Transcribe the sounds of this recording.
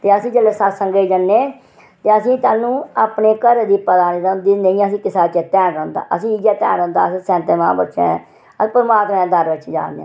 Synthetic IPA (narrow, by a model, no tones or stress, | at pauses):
t̪eːəsĩːd͡ʒəleːsasəŋɡeːd͡ʒənːeː | t̪eːəsĩːt̪aːnũːaːpneːkəɾd̪iːpəd̪aːniːɾənd̪iːnəĩːəsĩːkɪsaːt͡ʃeːt̪ɛːnə̃ʊnd̪a̰ːʔəsĩːid͡ʒaːt̪ɛ̰ːnə̃ːnd̪a̰ːəsĩːsɛ̃ːnt̪eːmã̰ːbətːʃḛ̃ː | əspəɾmaːt̪mẽːd̪əɾʋɪt͡ʃd͡ʒa̰ːnd̪eɛ̰̃ː